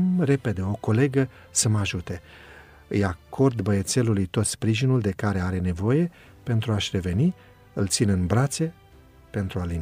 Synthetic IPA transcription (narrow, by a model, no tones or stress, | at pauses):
mre̞pe̞d̪e̞o̞ko̞le̞ɡə | səmaʒut̪e̞ | ɨjakʰo̞rd̪bəje̞t̪se̞lulujt̪o̞t̪spɾiʒinuld̪e̞kaɾe̞aɾe̞ne̞vo̞je̞ | pe̞nt̪ɾuaʃʲre̞ve̞ni | ɨlt̪sinɨnbɾat̪se | pe̞nt̪ɾualin